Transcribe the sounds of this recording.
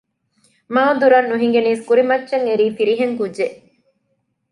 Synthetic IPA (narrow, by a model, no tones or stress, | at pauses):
maːd̪uɾɐnːuɦiŋɡeniːskuɾimɐtːʃɐŋeɾiːfiɾiɦeŋkud͡ʒeʔ